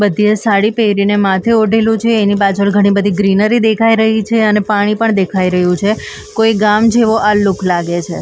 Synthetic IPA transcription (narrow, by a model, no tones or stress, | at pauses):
bəd̪ʱijesaɽipeɾinemat̪ʰeoɖʱelũt͡ʃʰeːnibad͡ʒəlɡʱəɽ̃ibəd̪ʱiɡɾinəɾid̪ekʰaiɾəɦit͡ʃʰeənepaɽ̃ipəɳd̪ekʰaiɾəɦjũt͡ʃʰe | koiɡamd͡ʒeʋoʔalʊkʰlaɡet͡ʃʰe